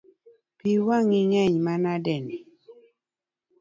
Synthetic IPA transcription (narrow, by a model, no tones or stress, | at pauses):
piwaŋiŋɛɲmanadɛni